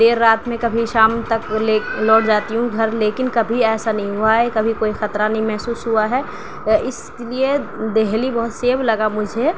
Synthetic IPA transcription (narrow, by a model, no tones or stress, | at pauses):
d̪eːɾːaːt̪mẽkɐbʱiʃaːmt̪ɐkelɔːʈ̚d͡ʒaːt̪iɦũɡʱɐɾleːkɪnkɐbʱiɛːsanɐɦĩɦuaɦɛkɐbʱikoːixɐt̪ɾanɐɦĩmɛɦsuːsɦuaɦɛː | ɪsklied̪eɦlibɔɦʊt̪seːblɐɡamʊd͡ʒʱe